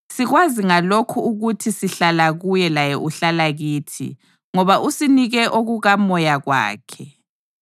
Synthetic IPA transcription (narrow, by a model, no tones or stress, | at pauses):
siɣwaziŋalokʰuuɣutʰisiɬalaɣujɛlajɛʔuɬalaɣiːtʰḭ | ŋɔβaʔusiniɣɛʔoɣuɣamɔjaɣwa̰ːkʰɛ